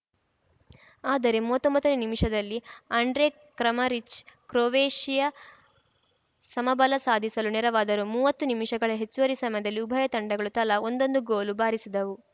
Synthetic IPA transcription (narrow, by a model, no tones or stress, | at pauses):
aːd̪ɐɾe̞muːʋɐt̪ːombɐt̪ːɐnenimiʂɐd̪ɐlːiɐɳɖɾe | kɾɐmɐɾit͡ʃkɾoːʋeːʂijɐ | sɐmɐbɐlɐsaːd̪ʱisɐlunɛɾɐʋaːd̪ɐɾumuːʋɐt̪ːunimiʂɐɡɐɭɐɦe̞t͡ʃːuʋɐɾisɐmɐjɐd̪ɐlːiubʱɐjɐt̪ɐɳɖɐɡɐɭut̪ɐlɐond̪o̞nd̪uɡoːlubaːɾisid̪ɐʋu